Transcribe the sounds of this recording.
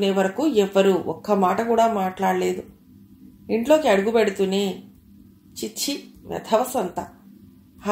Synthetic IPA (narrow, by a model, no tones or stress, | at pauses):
neːʋɐɾɐkuːɛʋːɐɾuːʔɔkːɐmaːʈɐkuːɽaːmaːʈlaːɽɐle̞ːd̪u | iɳʈlo̞ːkiɐɽuɡubeɽut̪uneː | t͡ʃit͡ʃʰːiʋɐ̰d̪ʰʱɐʋɐsɐnt̪ɐ | hɐ